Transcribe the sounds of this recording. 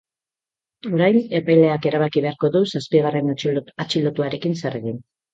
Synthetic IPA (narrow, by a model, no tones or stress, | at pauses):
o̞ɾajne̞pajle̞ake̞ɾaβakiβe̞aɾko̞ðusaspiɣare̞nat͡ʃilo̞t̪uaɾe̞kinseareɣin